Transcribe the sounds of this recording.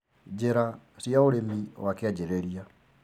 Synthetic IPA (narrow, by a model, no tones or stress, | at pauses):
d͡ʑeɾasjaoɾemiwakead͡ʑeɾeɾia